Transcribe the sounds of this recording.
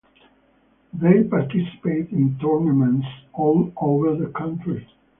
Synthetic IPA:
ðeɪpaɹtɪsɪ̥peɪtɪ̃ntɔɹnəmɛ̃ntsɔːloʊvə˞ðəkʰʌ̃ntʰɹi

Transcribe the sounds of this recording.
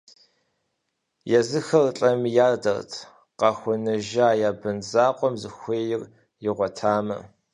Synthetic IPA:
jɛzɨxɐrɬʼɐmjaːrdɐrtʰ | qɑxʷʊnɨʒaːjaːbɨnzaːqʷʼɔmzɨxʷeːjɪr | jɪʁʷɔtʰaːmɐ̰

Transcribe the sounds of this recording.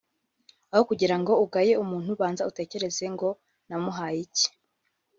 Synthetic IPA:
ahokuɟiɾaŋɡo̞uɡaje̞umuːn̥huβaːnzaute̞ːce̞ɾe̞ze̞ŋɡo̞ | namuɦaːjici̥

